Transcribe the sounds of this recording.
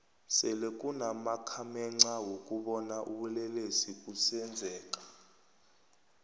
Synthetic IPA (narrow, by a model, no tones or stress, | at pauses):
sɛlekʼunamakʰamɛŋ͡ǀawokʼuɓɔnaʔuɓulɛlesikʼusɛnd͡zʱɛːk̬ʼḁ